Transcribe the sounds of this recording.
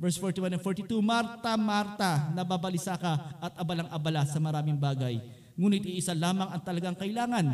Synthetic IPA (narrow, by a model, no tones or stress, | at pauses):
vɛɹsfoɹt̪iwanɐnfoɹt̪ɪt̪umaɾt̪ɐmaɾt̪ɐnɐbabɐlɪsakɐʔɐt̪̚ʔɐbɐlaŋʔɐbɐlasɐmɐɾaːmɪŋbaːɡɐj | ŋuːnɪt̪̚iʔɪsalaːmɐŋɐŋt̪ɐlɐɡaŋkɐʔɪlaːŋɐn